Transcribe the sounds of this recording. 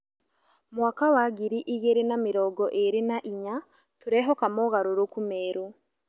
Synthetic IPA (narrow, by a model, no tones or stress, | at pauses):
mwakawaɡiɾiʔijeɾinamiɾoɡoʔeɾinaʔiɲa | tuɾeɦokamoɣaɾuɾokumeːɾu